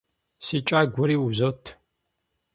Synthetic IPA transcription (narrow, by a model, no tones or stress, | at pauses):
sit͡ʃʼaːɡʷʊɾiːuzotʰ